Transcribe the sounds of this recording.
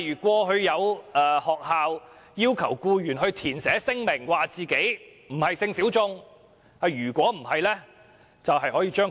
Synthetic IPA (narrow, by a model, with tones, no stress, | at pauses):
yː˨˩kʷɔː˧ɦɵ˧ɥjɐ˨˧waː˨hɔː˨k̚haː˨˧w | jiː˥wkʰɐ˨˩wkuː˧jyː˨˩nɦɵ˧ɥt̪ʰiː˨˩nsɛː˨˥sɪ˥ŋmɪ˨˩ŋwaː˨t͡siː˨ke˨˥j | m̩˨˩hɐ˨jsɪ˧ŋsiː˨˥wt͡sʊ˧ŋ | ɐ˨˧˩ɥyː˨˩kʷɔː˨˥m̩˨˩hɐ˨jlɛː˥ | t͡sɐ˨wɦɐ˨jɦɔː˨˥jiː˧t͡ʃœː˥ŋ